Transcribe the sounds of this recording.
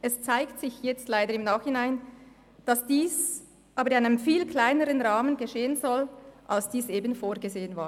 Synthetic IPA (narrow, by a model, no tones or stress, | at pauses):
ʔɛst͡saɪktsɪçjɛt͡stlaɪdəɾɪmnaːχhɪnaɪn | d̥ɑsd̥iːs | ʔɑːbəɾɪnaɪnəmfiːlkʰlaɪnəɾənʁaːmənɡeʃeːənzɔlʔalsd̥iːsʔeːbənfoːʁɡezeːənvaː